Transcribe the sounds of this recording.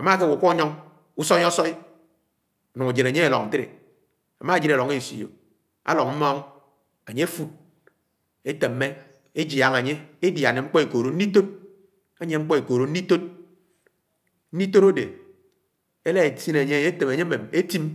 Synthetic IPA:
a˨ma˦˨ke˦wo˨ku˦ɔ˦ɲɔ˦ŋ | u˦sɔ˦i˦ɔ˦sɔ˦i˦˨ | nu˨ŋa˨d͡ʒe˨na˨ɲe˦e˨lɔ˨n̩˨ti˦ɾḛ˨ | a̰˨ma˦˨d͡ʒi˦ɾa˨lo˨ŋe˦˨si˨jo̰˨ | a̰˦lɔ˨ŋm̩˦mɔ˦ŋ | a˨ɲe˦e˦fu˦t̚ | e˦te˨mː˦e˦ | e˦d͡ʒja˨ŋa˨ɲe˦e˦dja˨ne˨ŋ͡m̩˦k͡pɔ˦e˨ko˨ɾo˨˦n̩˦i˦to˦t̚ | a˦ɲe˦ŋ͡m̩˦k͡pɔ˦e˨ko˨ɾo˨n̩˦i˦to˦t̚ | n̩˦i˦to˦ɾo˦dḛ˨ | e˦le˦e˨si˦ne˨ɲe˦˨˦te˨me˨ɲe˦me˨me˦ti˦m

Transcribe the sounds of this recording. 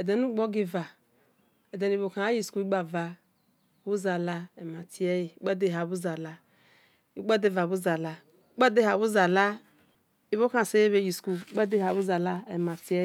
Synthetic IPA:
ɛ˨de˨nu˦ɡ͡bo˦ɡi˦va˨ | ɛ˨de˨ni˨bo˨ka˨a˦ji˦˨sku˨˦i˦ɡ͡ba˨va˨ | bu˦za˨la˧ɛ˨ma˨ti˨ɛ˦ji˨˦k͡pa˦de˦˨ɦa˨bu˦za˨la˦ | i˦ɡ͡ba˦de˦˨va˨bu˦za˨la˨˦ | k͡pa˦de˦ha˨bu˦za˨la˦ | i˨βo˦kã˨se˦e˦be˦ji˨sku˨˦k͡pa˦de˦ha˨bu˦za˨la˦ɛ˨ma˨ti˦ɛ˦

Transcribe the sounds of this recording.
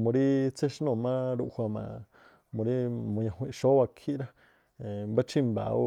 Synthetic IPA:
mõ˨ɾi˦t͡se˦ʃnõ˧˨mã˦ɾu˧ʔhʷwa˧mã̰˨ | mõ˨ɾi˦mõ˨ɲã˨ɦʷwĩ˧ʃo˦wa˧kʰi˦ɾa˦˨ | mba˦t͡ʃi˦mba̰˨u˦

